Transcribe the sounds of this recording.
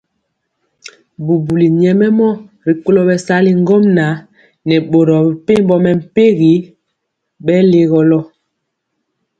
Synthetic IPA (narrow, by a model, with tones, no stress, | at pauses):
bu˨bu˨li˨ɲɛ˨mɛ˦mɔ˦ | ɾi˨ko˦lɔ˦bɛ˨sa˦li˦ŋ˦ɡɔ˦mna˨˦ | nɛ˨ɓo˨ɾɔ˨pe˦m˦bɔ˦mɛ˨m̩˨pe˦ɣi˨˦ | ɓɛ˦le˦ɣɔ˦lɔ˦